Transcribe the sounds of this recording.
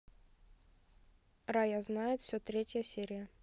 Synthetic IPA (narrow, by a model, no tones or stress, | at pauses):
rajaznajɪt̪fsʲot̪ɾʲetʲjəsʲeɾʲɪjə